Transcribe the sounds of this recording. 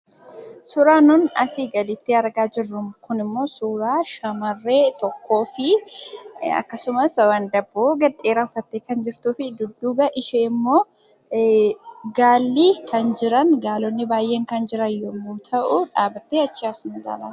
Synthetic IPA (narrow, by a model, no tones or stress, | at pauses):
sʊɾaːnʊnɐsiːɡɐlɪt̪ːɪɐɾɡaːd͡ʒɪrːʊmkʊnɪmːo̞ːsuːɾaːʃɐmɐrːeːt̪ɔkːo̞ːfɪ | ɐ̰kːɐsʊmɐswɐnd̪ɐbuɡɐᶑʼeːɾɐfːɐt̪ːeːkɐnd͡ʒɪɾt̪uːfɪd̪ʊd̪ːuːbɐʔɪʃeːɪmːo̞ː | ɡaːlːiːkɐnd͡ʒɪɾɐnɡaːlɔnːɪbaːjʔːe̞ːŋkɐnd͡ʒɪɾɐjɔmːuːt̪ʰɐʔʊᶑaːbɐt̪ːeːɐt͡ʃːɪaːsnɐɡ̪a̰ːlaː